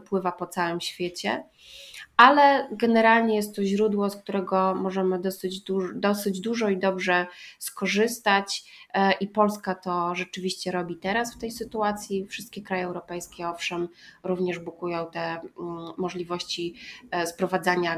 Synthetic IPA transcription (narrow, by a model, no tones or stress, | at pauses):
pwɘvapɔt̪sawɘmɕfʲjet͡ɕɛ̰ | alɛɡɛnɛɾalɲɛjɛst̪ːɔʑɾud̪wɔskt̪uɾɛɡɔmɔʐɛmɘd̪ɔsɘd͡ʑd̪ud̪ɔsɘd͡ʑd̪uʐɔid̪ɔbʐɛskɔʐɘst̪at͡ɕʔipɔlskat̪ɔʐɛt͡ʂɘvʲiɕt͡ɕɛɾɔbʲit̪ɛɾasft̪ɛjsɘt̪uat̪sʲjifʂɘst̪̚kʲɛkɾajɛːwɾɔpɛjskʲɛɔfʂɛmɾuvɲɛʐbukujɔ̃w̃t̪ɛ | mɔʐlʲivɔɕt͡ɕispɾɔvad̪zaɲa